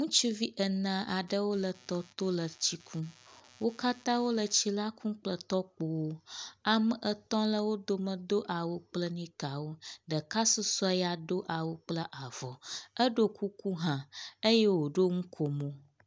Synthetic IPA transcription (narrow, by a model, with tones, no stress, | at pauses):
ŋũ˦t͡ʃu˦vi˦ʔə˨nã˨ʔa˨ɖə˦wo˦lə˨t̪ɔ˦t̪o˦lə˨t͡ɕi˦kʰũ˦wo˦ka˦t̪ã˦wo˦lə˨t͡ɕi˦la˦kʰũ˦k͡plə˨t̪ɔ˦k͡po˨wo˦a˨mə˨ʔə˨t̪ɔ̃˦lə˦wo˦d̪o˦mə̃˨d̪o˦ʔa˨wo˦k͡plə˦nĩ˦ka˨wo˦ɖə˨ka˦su˦sɔ˦e˦ja˨d̪o˦ʔa˨wo˦k͡plə˦ʔa˨vɔ˨ə˦ɖo˦kʰu˦ku˦ɦã˨ə˦jɛ˦wo˨ɖo˦ŋũ˦kʰo˨mõ˦